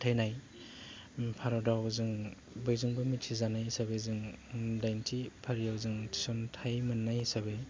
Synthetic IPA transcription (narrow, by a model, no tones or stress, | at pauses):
tʰajnaj | pʰaɾɔdawzɯŋ | bɯjzɯŋbɯmitsʰizanajsabejzɯŋdajntʰipʰaɾijawzɯŋtʰi̥sontʰajmɯnːajsabej